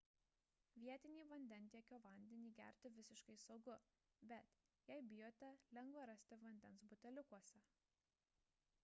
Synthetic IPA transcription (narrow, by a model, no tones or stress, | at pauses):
ʋʲiɛt̪ʲɪnʲiːʋɐnʲd̪ʲɛnʲˑt̪ʲiɛkʲoːʋɐnʲd̪ʲɛnʲiːɡʲæ̰ˑɾʲt̪ʲɪʋʲɪsʲɪʃkɐɪsɒʊɡʊ | bʲɛt̪jɛɪbʲɪjoːt̪ʲɛlʲɛŋɡʋɐɾɐsʲt̪ʲɪʋɐnʲd̪ʲɛnsbʊt̪ʲɛlʲʊkuɔsʲɛ